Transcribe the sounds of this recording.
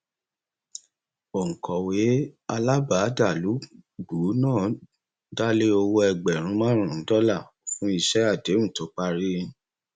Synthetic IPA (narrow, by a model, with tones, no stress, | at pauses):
o˨ŋ̩˨kʰɔ˨we˨˦a˧la˦ba˨˦da˦˨lu˨˦ɡ͡bu˨˦nãː˦˨ | da˦le˦o˧wo˧ɛ˧ɡ͡bɛ˨ɾ̃ũ˨˦mãː˦ɾ̃ũ˦˨n̩˨˦dɔ˦la˦˨fũ˦i˧ʃɛ˦a˦˨de˨˦ũ˦˨to˨˦k͡pa˧ɾĩ˦˧˦